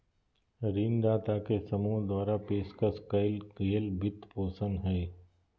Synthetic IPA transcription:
ɾiːnd̪aːt̪akesɐmuːɦd̪waːɾapeːskaskɐɪlkeːlbɪt̪poːsə̃nɦɛː

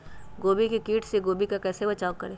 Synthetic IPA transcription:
ɡoːbikikiːʈʰseɡoːbikakɛːsebɐt͡ʃaːkɐɾẽː

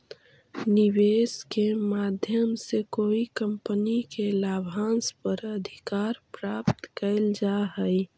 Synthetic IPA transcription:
niweːskemaːd̪ʱjəmsekoːikə̃mpənikelaːbʱãːnspəɾəd̪ʱikaɾpɾaːpt̪kəɪld͡ʒaɦə

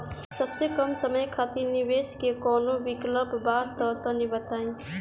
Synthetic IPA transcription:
səbsekəmsəməjkʰat̪iɾnɪʋeːskekɔːnoʋɪkləpbaːd̪t̪ɔt̪ɔ̃nibət̪aːĩ

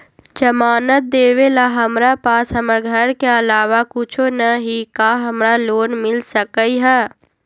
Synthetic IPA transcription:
d͡ʒɐmaːnət̪̚d̪eːʋelaɦɐmɾapaːsɦɐməɾɡʱəɾkeɐlaːʋakʊt͡ʃʰonɐɦikaɦɐmɾaloːnmɪlsəkəiɦɛː

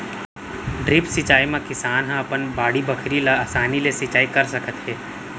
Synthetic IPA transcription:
ɖɾɪpsɪt͡ʃaːimãkɪsaːnɦãɐpənbaːɽibɐkʰɾilaaːsaːnilesɪt͡ʃaːikɐɾsɐkət̪ɦɛː

